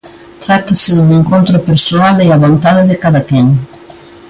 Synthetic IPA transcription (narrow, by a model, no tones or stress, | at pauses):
t̪ɾat̪asɪðd̪eŋkont̪ɾopeɾsoaleaβont̪aðɪðekaðakeŋ